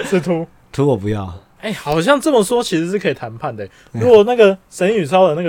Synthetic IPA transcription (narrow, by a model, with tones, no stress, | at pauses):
ʂɻ̩˥˩t̪ʰu˦ | t̪ʰu˨˦wɔ˨˩pu˧˦jɑ̰˥˨ʊ | e˥˩ɪxɑ˨˩ʊɕjɑ˥˧ŋt͡sə˥˩mə˨swɔ˥t͡ɕʰi˧˥ʂɻ̩˧˥ʂɻ̩˥˩kʰɤ˧˥i˨˩t̪ʰa˧˦npʰa˥˨nd̪ə˩ | ɻu˦˥kwɔ˨˩na˥˩ɡə˨ʂə˧˦ny˨˩sʰɑ˥ʊd̪ə˨na˥˩ɡə